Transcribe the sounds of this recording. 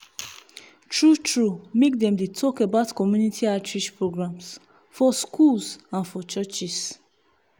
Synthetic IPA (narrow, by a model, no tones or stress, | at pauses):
tɹutɹumek̚dɛ̃mdetʰɔkebaʊtkɔmjunitʰiatʰɹiʃpɹoɡɹãms | fɔskʰulsãnfɔt͡ʃɔt͡ʃis